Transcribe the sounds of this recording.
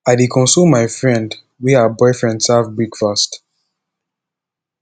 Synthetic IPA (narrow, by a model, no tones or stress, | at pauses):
aɪdekʰɔ̃nsumːaɪfɹɛ̃nd | wiaəbɔɪfɹɛ̃ndsavbɹikfast